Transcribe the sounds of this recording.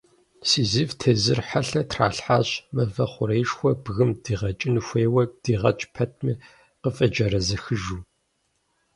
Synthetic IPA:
siːzivtʰezɨrħaɬɐtʰra̰ːɬħaɕmɐvɐχʷʊɾejʂxʷɔbɣɨmd̥iːʁɐt͡ʃʼɪnxʷeːwɐd̥iːʁɐ̰t͡ʃʼpʰɐt̚ʰmi | qəfʼɐd͡ʒɐɾɐzɐxɨʒuː

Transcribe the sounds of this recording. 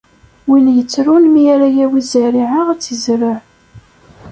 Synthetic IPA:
winjət͡sːɾunmiæɾajæwizæɾiʕaʁæt͡sːəzɾəʕ

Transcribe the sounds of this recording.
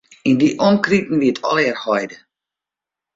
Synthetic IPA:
indiʔɔnkritn̩ʋiətʰɔ̰lɪərhɔjdə

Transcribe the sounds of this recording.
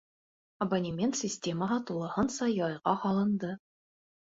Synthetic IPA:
ɐbɐnʲimʲent̪sʲɪsʲtʲeməɦɑt̪ulˠɤ̆hɤnsɑjɑjʁɑhɑlˠɤ̆nd̪ɤ

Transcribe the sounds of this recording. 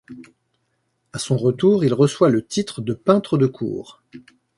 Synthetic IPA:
asɔ̃ʁət̪uːʁilʁəswalət̪it̪χəd̪əpɛ̃t̪χəd̪əkʰṵːʁ

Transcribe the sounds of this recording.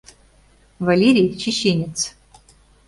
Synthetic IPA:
vɐlʲeɾʲijt͡ɕʰiɕenʲɪt̪t͡s

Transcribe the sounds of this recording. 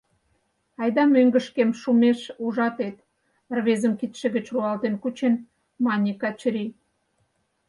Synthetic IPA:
ɑjd̪ɑmøŋɡə̆ʃkemʃumeʃuʒɑt̪et̪ | rβezəmkit̪ʃĕɣə̆t͡ɕruɑlt̪enkut͡ɕen | mɑnʲikɑt͡ɕɾʲi

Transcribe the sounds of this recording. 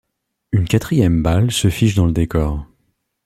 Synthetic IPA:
ynkʲat̪χijɛmbalsəfiʒd̪ɑ̃ləd̪ekɔːʁ

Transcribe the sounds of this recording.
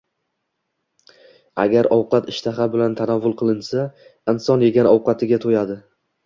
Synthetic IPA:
a̰ɡʲaɾɒwqɑt̪ɪʃt̪ʰaχabɪlant̪ʰanavːʊlˠqʰɨlˠɪnsaɪnsɒnje̞ɡʲanɒwqɑt̪ʰɪɡʲat̪ʰojad̪ɪ

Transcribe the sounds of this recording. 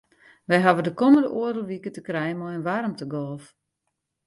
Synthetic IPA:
ʋɛjɦaʋədəkoməndəʔuərəʋikətəkrɛjəmɔjənʋarmtəɡɔlˠf

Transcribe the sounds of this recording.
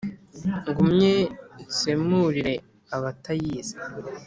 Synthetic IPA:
ŋɡumɲesemuɾiɾe̞ | aβatajiːze̥

